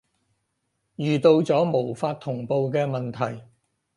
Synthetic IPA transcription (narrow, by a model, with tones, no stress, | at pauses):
jyː˨t̪o˧wt͡sɔː˨˥mo˨˩wfaː˧t̚t̪ʰːʊ˨˩ŋpo˨˧wkɛː˧mɐ˨nt̪ʰɐ˨˩j